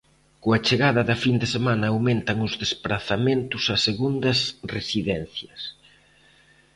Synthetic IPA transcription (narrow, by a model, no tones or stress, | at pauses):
koɐt͡ʃeɣaðɐðɐfind̪esemanɐːwmẽnt̪ɐŋʊzðespɾaθament̪ʊsɐseɣund̪ɐsresiðɛn̟θjɐs